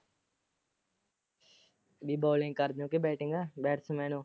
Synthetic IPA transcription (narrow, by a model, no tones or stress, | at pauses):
biːboːlɪ̃ŋɡkəɾd̪õːkebɛːʈʰẽːŋɡaːbɛːʈʰsẽmɛːnõː